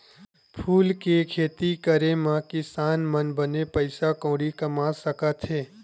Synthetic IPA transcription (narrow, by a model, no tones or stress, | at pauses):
pʰuːlkekʰeːt̪ikəɾemãkɪsaːnmənbənepəɪsakõːɽikɐmaːsəkət̪ɦeː